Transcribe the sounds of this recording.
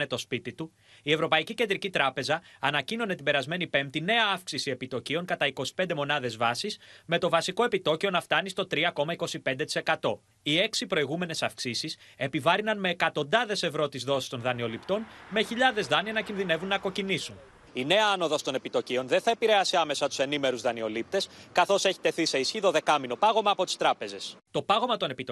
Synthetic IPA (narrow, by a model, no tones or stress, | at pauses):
e̞t̪o̞spit̪it̪u | ie̞vɾo̞pɐicice̞nd̪ɾicit̪ɾɐpe̞zɐːnɐcino̞net̪ibe̞ɾɐzme̞nipe̞mt̪ine̞ɐɐfksisie̞pit̪o̞cio̞ŋkɐt̪ɐiko̞si̥pe̞nd̪emo̞nɐðe̞zvɐsisme̞t̪o̞vɐsiko̞e̞pit̪o̞cio̞nɐft̪ɐnist̪o̞t̪ɾiɐko̞mɐiko̞sipe̞nd̪e̞t̪i̥se̞kɐt̪o̞ | ie̞ksipɾo̞iɣume̞ne̞sɐfksisise̞pivɐɾinɐnme̞ːkɐt̪o̞nd̪ɐðe̞se̞vɾo̞t̪izðo̞si̥st̪o̞nðɐnio̞lipt̪o̞nme̞çiʎɐðe̞zðɐniɐnɐcinðine̞vunːɐko̞cinisun | ine̞ɐɐno̞ðɐst̪o̞ne̞pit̪o̞cio̞nðenθɐepiɾe̞ɐsiɐme̞sɐt̪u̥se̞nime̞ɾuzðɐnio̞lip̚t̪e̞skɐθo̞se̞çi̥t̪e̞θise̞isçiðo̞ðe̞kɐmino̞pɐɣo̞mɐːpo̞t̪i̥st̪ɾɐpe̞ze̞st̪o̞pɐɣo̞mɐt̪o̞ne̞pit̪o